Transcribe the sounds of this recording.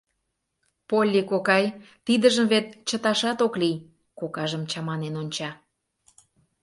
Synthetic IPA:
polʲːikokɑj | t̪id̪əʒəmβet̪̚t͡ɕət̪ɑʃɑt̪oklij | kokɑʒəmt͡ɕɑmɑnenonʲt͡ɕɑ

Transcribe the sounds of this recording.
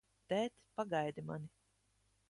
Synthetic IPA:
t̪ɛːt̪paɡajd̪ima̰ni

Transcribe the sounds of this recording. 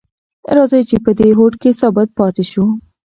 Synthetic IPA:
ɾɑzajt͡ʃepəd̪eɦoʈkesabad̪̚pɑt̪eʃu

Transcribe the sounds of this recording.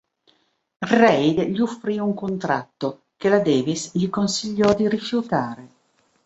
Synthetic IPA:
rɛjd̪ʎiufːɾiuŋkont̪ɾa̰t̪ːo | k̟elad̪ɛːvisʎikonsiʎːɔd̪iɾifjut̪aːɾe

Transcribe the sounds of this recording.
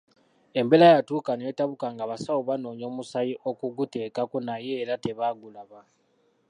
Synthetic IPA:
e̞mbe̞lajatuːkaneːtaβukaŋɡaβasawoβano̞ːɲo̞ːmusajiʔo̞kuɡute̞ːkakonaje̞ːɾate̞βaːɡulaβa

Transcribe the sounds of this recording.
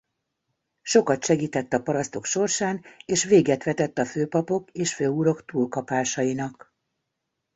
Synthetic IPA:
ʃo̞kɒt̪ʃɛɡiːt̪ɛt̪ːɒpɒɾɒst̪o̞kʃo̞rʃaːneːʃʋeːɡɛt̪ʋɛt̪ɛt̪ːɒføːpɒpo̞keːʃføːuːɾo̞kt̪uːlkɒpaːʃɒjinɒk

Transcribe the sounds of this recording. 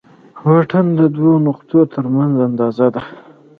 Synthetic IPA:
waʈənd̪əd̪wonʊqt̪ot̪ʰəɾmanzand̪ɑzad̪a

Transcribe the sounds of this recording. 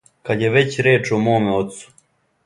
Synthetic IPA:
kad̪jeʋe̞t͡ɕɾeːt͡ʃomoːmeot̪su̥

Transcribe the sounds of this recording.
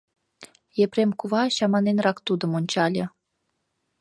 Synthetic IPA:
jepremkuβɑɕɑmɑnenrɑkt̪ud̪ŏmonʲt͡ɕɑlʲɤ

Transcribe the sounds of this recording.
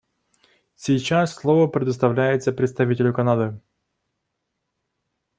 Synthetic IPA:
sʲɪjt͡ɕassʲlˠovəpɾʲɪd̪əst̪ɐvlʲæjɪt̪səpɾʲɪt̪st̪ɐvʲitʲɪlʲʊkɐnad̪ɨ

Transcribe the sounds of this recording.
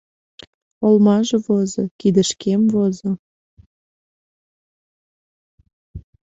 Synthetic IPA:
olmɑʒeβozokid̪əʃkemvozo

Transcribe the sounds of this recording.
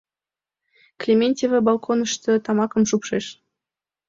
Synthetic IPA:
klʲemʲenʲtʲevʲebɑlˠkʰonɤ̆ʃt̪ɤ̆t̪ɑmɑkɤ̆mʃupʃeʃ

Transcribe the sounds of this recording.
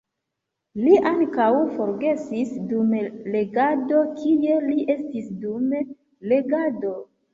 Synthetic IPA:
liʔaŋkawfo̞ɾɡe̞sisdumle̞ɡado̞kʰije̞liʔe̞stisdum | le̞ɡado̞

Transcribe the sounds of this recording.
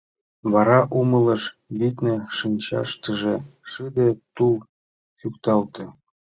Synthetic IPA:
βɑɾɑʔumələ̆ʃβit̪neʃɯnʲt͡ɕɑ̰ʃt̪ə̆ʒĕʂɨd̪et̪ulˠ | sukt̪ɑlt̪ɤ̆

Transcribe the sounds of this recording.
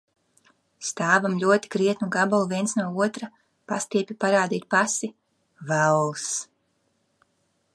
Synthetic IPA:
st̪aːvamlʲuɔt̪i̥kɾiɛt̪nuɡabalˠuviɛnsnuɔuɔt̪ɾa | past̪iɛpʲipaɾaːd̪iːt̪̚pasi | væwls

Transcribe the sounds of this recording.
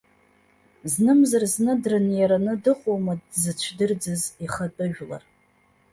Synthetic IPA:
znɨmzarznɨdrɨnjaɾanɨdɨχʷʼomadzɨt͡ʃʷʰdɨrd͡zɨziχatʼɨʒᶣla̰r

